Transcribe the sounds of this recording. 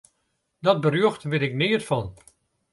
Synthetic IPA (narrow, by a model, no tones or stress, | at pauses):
dɔt̚bərjøxtʋɪtɪknɪərfɑn